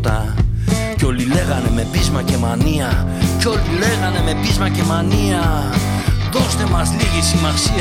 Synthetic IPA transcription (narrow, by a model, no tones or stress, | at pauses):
t̪ɐ | ceo̞lile̞ɣɐne̞me̞pizmɐce̞mɐniɐ | ceo̞lile̞ɣɐne̞me̞pizmɐce̞mɐniɐ | ðo̞st̪e̞mɐzliɣisimɐsi